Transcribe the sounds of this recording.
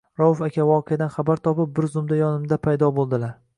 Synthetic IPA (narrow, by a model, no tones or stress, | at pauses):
ɾɒwʊfakʲʰavɒqʰɨjad̪anχabaɾt̪ʰɒpɪp̚bɪɾzʊmd̪ajɒnɪmd̪apʰajd̪ɒbolˠd̪ɪlaɾ